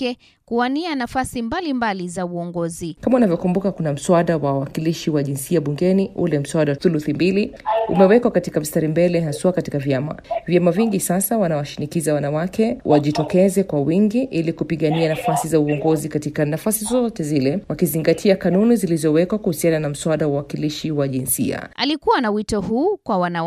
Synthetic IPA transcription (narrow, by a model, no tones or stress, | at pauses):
ɛ | kuanianafasimbalimbalizauɔŋɡɔzikamaunavjɔkumbukakunam̩swaɗawawwakiliʃiwaʄinsiaɓuŋɡɛniʔṵlɛm̩swaɗaθuluθimbiliṵmɛwɛkwakatikam̩staɾimbɛlɛɦasuakatikavjama̰vjamaviŋɡisasawanawaʃinikizawanawakɛwʔaʄitɔkɛzɛkwawiŋɡiʔilikupiɠanianafasizauɔŋɡɔzikatikanafasizɔɔtɛzilɛwakiziŋɡatʰiakanunizilizɔwɛkwakuhusiananam̩swaɗawawakiliʃiwaʄinsḭa̰alikuwanawitɔhuːkwawana